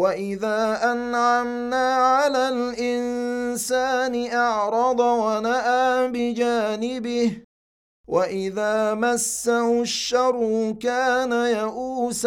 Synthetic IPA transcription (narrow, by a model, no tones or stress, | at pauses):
waʔɪðaːʔanʕamnaːʕalaːlʔɪnsaːnɪʔɑʕɾˤɑd̪ˤwanaʔaːbɪd͡ʒaːnɪbɪh | waʔɪðaːmasːahʊʃːɑɾˤːʊkaːnajaʔuːs